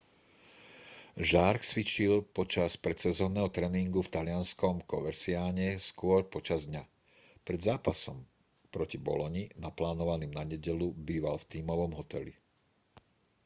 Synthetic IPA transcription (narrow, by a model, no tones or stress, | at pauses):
ʒaɾksʋit͡ʃilpɔt͡ʃaspɾɛt̪sɛzɔːnːɛːɦɔt̪ɾɛːniŋɡuft̪alɪanskɔmkɔʋɛɾsiaːɲɛskʊɔɾpɔt͡ʃazd̪ɲa | pɾɛd̪zaːpasɔm | pɾɔcibɔ̰lɔɲinaplaːnɔʋaniːmnaɲɛɟɛlubiːʋalft̪iːmɔʋɔmɦɔt̪ɛ̰lḭ